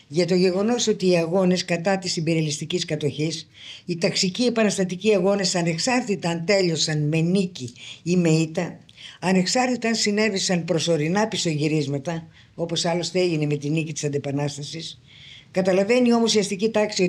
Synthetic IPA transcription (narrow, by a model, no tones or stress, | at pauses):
ʝɐt̪o̞ʝe̞ɣo̞no̞so̞t̪iːɐɣo̞ne̞skɐt̪ɐt̪isimbeɾiɐlist̪iciskɐt̪o̞çis | it̪ɐksicie̞pɐnɐst̪ɐt̪iciɐɣo̞ne̞sɐne̞ksɐɾt̪it̪ɐnt̪e̞ʎo̞sɐnme̞niciime̞it̪ɐ | ɐne̞ksɐɾt̪it̪ɐnsine̞visɐnpɾo̞so̞ɾinɐpiso̞ʝiɾizmɐt̪ɐ | o̞po̞sɐlo̞st̪eeʝine̞me̞t̪inicit̪isɐnd̪epɐnɐst̪ɐsis | kɐt̪ɐlɐve̞nio̞mo̞siɐst̪icit̪ɐksio